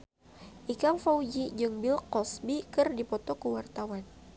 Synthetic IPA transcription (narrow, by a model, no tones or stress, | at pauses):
ʔikaŋfaud͡ʒid͡ʒɨŋbilkɔsbikɨrdipɔt̪ɔkəwart̪awan